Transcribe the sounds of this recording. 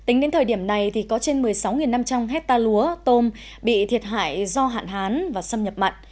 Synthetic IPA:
t̪ï˨˦ŋɗe˨˦nt̪ʰəː˨˩ɗi˧˩əmna˨˩jt̪ʰi˨˩kɔ˨˦t͡ɕe˧nmɨ˨˩əjsa˨˦wŋi˨˩nːa˧mt͡ɕa˧mɦɛ˦˥t̚t̪aː˧lu˨˦ət̪o˧m | ɓḭ˧˨t̪ʰi˨˩ət̚hɦa̰ː˧˨jzɔ˧ɦa̰ː˧˨nɦaː˨˦nvaː˨˩sə˧mɲə˨˩p̚ma̰˧˨jŋ̟

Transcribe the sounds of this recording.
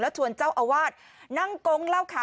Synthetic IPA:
lɛ˦˥wt̪ʰu˧˩ənt͡ɕaː˥˩wʔaː˧˩waː˥˩t̪̚ | na˥˩ŋko˧˥ŋlaː˥˩wkʰaː˨˦

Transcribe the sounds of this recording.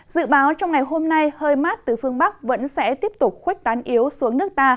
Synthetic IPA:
z̥ɨ̰˧˨ɓaː˨˦wt͡ɕɔ˧wŋ͡mŋa˨˩jɦo˧mna˧jhəː˧jmaː˦˥t̚t̪ɨ˨˩fɨ˧əŋɓa˦˥k̚və̰˧˥nsɛ̰˧˥t̪i˦˥əp̚t̪ʊ˨˩k͡p̚xwi˦˥k̟̚t̪aː˨˦nʔi˨˦əwsu˨˦əŋnɨ˦˥ək̚t̪aː˧

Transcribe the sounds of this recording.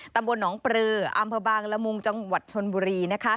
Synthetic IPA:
t̪a˧mbo˧nːɔː˩˦ŋpɾɯː˧ʔa˧mpʰɤː˧baː˧ŋla˧˥mu˧ŋt͡ɕa˧ŋwa˨˩t̪̚t͡ɕʰo˧nbuː˧ɾiː˧na˦˥kʰa˦˥

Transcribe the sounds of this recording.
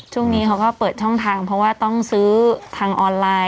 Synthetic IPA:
t͡ɕʰu˥˩ŋniː˦˥kʰa˦˥wkɔː˥˩pɤː˨˩t̪̚t͡ɕʰɔ˥˩ŋt̪ʰaː˧ŋpʰɾɔ˦˥waː˥˩t̪ɔ˥˩ŋsɯː˦˥t̪ʰaː˧ŋʔɔː˧nlaː˧

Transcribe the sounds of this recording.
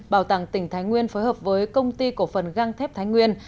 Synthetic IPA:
ɓaː˧˩wt̪a˧˩ŋt̪ï˧˩ŋ̟t̪ʰaː˨˦jŋwi˧ənfoː˨˦jɦəː˨˩p̚vəː˨˦jkə˧wŋ͡mt̪i˧ku˧˩əfə˨˩nɣa˧ŋt̪ʰɛ˦˥p̚t̪aː˨˦jŋwi˧ən

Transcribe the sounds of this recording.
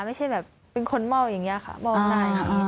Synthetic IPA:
ma˥˩jt͡ɕʰa˥˩jbɛː˨˩p̚ːe˧nkʰo˧nma˥˩wja˨˩ŋːi˦˥ɐ˨˩kʰa̰˥˩mɔ˥˩wnaː˥˩j̰

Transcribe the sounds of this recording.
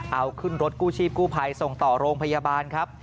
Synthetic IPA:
ʔa˧wkʰɯ˥˩nɾo˦˥t̪̚kuː˥˩t͡ɕʰiː˥˩p̚kuː˥˩pʰa˧jso˨˩ŋt̪ɔː˨˩ɾoː˧ŋpʰa˧jaː˧baː˧nkʰɾa˦˥p̚

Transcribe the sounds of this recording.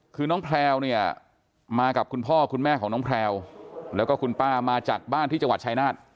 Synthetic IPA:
kʰɯː˧nɔː˦˥ŋpʰlɛː˧wni˥˩ɐə | maː˧ka˨˩p̚kʰu˧npʰɔː˥˩kʰu˧nmɛː˥˩kʰɔː˩˦ŋɔ˦˥ŋpʰlɛː˧wlɛː˦˥wkɔː˥˩kʰu˧npaː˥˩maː˧t͡ɕaː˨˩k̚baː˥˩nt̪ʰiː˥˩t͡ɕa˧ŋwa˨˩t̚t͡ɕʰaː˧˥jnaː˥˩t̪̚

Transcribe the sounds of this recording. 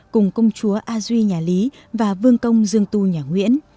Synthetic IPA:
kʊ˨˩ŋ͡mkə˧wŋ͡mt͡ɕu˨˦əʔaː˧zwi˧ɲaː˨˩li˨˦ | vaː˨˩vɨ˧əŋkə˧wŋ͡mzɨ˧əŋt̪u˧ɲaː˨˩ŋwḭ˧˥ən

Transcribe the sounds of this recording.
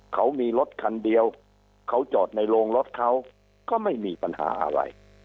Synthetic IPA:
kʰa˦˥wmiː˧lo˦˥t̪̚kʰa˧ndi˧əw | kʰa˦˥wt͡ɕɔː˨˩t̪̚na˧jloː˧ŋlo˦˥t̪̚kʰa˦˥˩w | kɔː˥˩ma˥˩jmiː˧pa˧nha̰ː˩˦ʔa̰˧ɾa̰˧j

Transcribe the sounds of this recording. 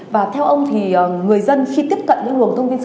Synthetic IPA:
vaː˨˩t̪ʰɛ˧wʔə˧wŋ͡mt̪ʰi˨˩˨ŋɨ˨˩əjzə˧nxi˧t̪i˦˥əp̚kə̰˧˨nɲɨ̰˧˥ŋlu˨˩əŋt̪ʰə˧wŋ͡mt̪i˧n

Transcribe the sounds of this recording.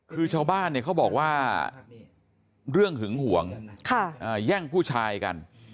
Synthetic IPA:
kʰɯː˧t͡ɕʰaː˧wbaː˥˩nːi˥˩kʰa˦˥˩wbɔː˨˩k̚waː˥˩ | ɾɯ˥˩əŋhɯ˩˦ŋhu˩˦əŋkʰa˧˩ʔaː˧˩jɛː˥˩ŋpʰuː˥˩t͡ɕʰaː˧jka̰˧n

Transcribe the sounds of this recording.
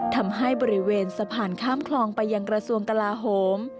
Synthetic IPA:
t̪ʰa˧mɦa˥˩jbɔː˧˩ɾi˦˥weː˧nsa˧pʰaː˧˩nkʰaː˥˩mkʰlɔː˧ŋpa˧jːa˧ŋkɾa˧su˧əŋka˧laː˧ɦoː˩˦m

